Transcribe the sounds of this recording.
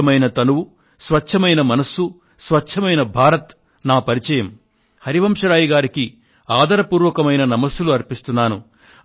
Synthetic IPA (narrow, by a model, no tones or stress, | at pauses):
ɐmɐjnɐt̪ɐnuwu | sʋɐt͡ʃːt͡ʃʰɐmɐjnɐmɐnɐsːu | sʋɐt͡ʃt͡ʃʰɐmɐjnɐbʱaːɾɐt̪ | naːpɐɾit͡ʃɐjɐm | hɐɾiʋɐmʂɐɾaːjiɡaːɾiki | aːd̪ʱɐɾɐpuːɾʋɐkɐmɐjnɐnɐmɐsuluɐɾpist̪unːaːnu